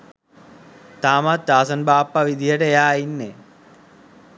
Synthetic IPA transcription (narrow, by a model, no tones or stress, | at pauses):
t̪aːmat̪t͡ʃaːsɐnbaːpːaʋid̪ʱijəʈəejaːinːe